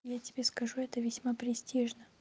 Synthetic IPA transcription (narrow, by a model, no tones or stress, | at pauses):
jatʲɪbʲeskɐʐuɛt̪əvʲɪsʲmapɾʲɪsʲtʲiʐnə